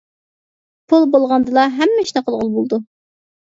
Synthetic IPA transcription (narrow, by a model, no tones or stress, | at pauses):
pʰulˠbolˠʁɑnd̪ɨlˠɑɦɛmːɪʃnɨqʰəlˠʁəlˠbolˠd̪u